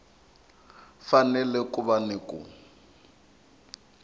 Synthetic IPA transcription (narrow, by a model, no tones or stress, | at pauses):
fanɛlɛkuβanɪkʼʊ̰